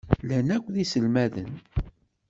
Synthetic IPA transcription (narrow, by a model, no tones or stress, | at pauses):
lænækʷːðisəlmæðə̰n